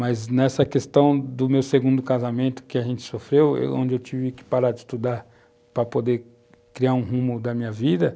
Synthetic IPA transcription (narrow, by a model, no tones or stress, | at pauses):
mɐznɛsɐkest̪ɐ̃w̃d̪ʊmewseɡũnd̪ʊkazamẽnt̪ʊ̥kɪaʒẽnt͡ʃɪ̥sofɾew̰õ̰nd͡ʒɪewt͡ʃivɪkɪ̥paɾaɾd͡ʒɪst̪ud̪aɾ | pɾɐpod̪eɾ | kɾiaɾũhũmʊd̪ɐmĩɲɐvid̪ɐ